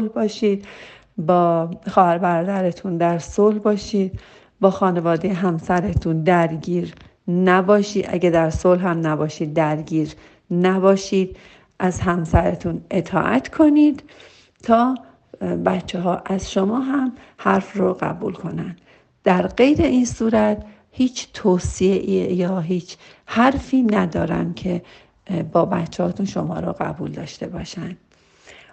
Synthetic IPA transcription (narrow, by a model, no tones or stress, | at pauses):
lbɒːʃiːd̪ | bɒːxɒːhæɾbæɾɒːd̪æɾet̪ʰund̪æɾsolbɒːʃiːd̪̚ | bɒːxɒːne̞vɒːd̪ejɦæmsæɾet̪ʰund̪æɾɟiːɾ | næbɒːʃiːd̪ʔæ̰ɡed̪æɾsolɦæmnæbɒːʃiːd̪ːæɾɟiːɾ | næbɒːʃiːd̪̥ | ʔæzɦæmsæɾet̪ʰune̞t̪ʰɒ̰ːʔæ̰t̪ʰkʰo̞niːd̪̥ | t̪ʰɒː | bætt͡ʃʰːeɦɒːʔæz̥ʃomɒːɦæm | hæɾfroɣæ̰buːlkʰo̞nænd̪̥ | d̪̥æɾɢe̞jɾe̞ʔiːnsuːɾæt̪ | hiːt͡ʃʰt̪ʰoːsieʔijɒːɦiːt͡ʃʰ | hæɾfiːnæd̪ɒːɾæ̰ncʰe | bɒːbæt̪t͡ʃʰːɛhɒːt̪ʰunʃomɒːɾoɣæ̰buːld̪ɒːʃt̪e̞bɒːʃænd̪̥